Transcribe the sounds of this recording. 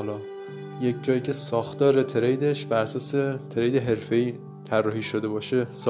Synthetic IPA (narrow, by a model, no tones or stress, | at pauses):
lɒː | je̞cʰd͡ʒɒːjiːcʰe̞sɒːxt̪ɒːɾet̪ʰeɾejd̪eʃbæɾæsɒːset̪ʰeɾejd̪e̞ɦe̞ɾfe̞iː | t̪ʰærːɒːhiːʃod̪e̞bɒːʃes